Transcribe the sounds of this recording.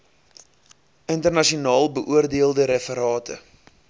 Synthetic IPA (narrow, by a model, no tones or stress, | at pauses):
əntərnɐʃionɑːlˠbəʔuərdiəlˠdəɾɛfəɾɑːtʰə̰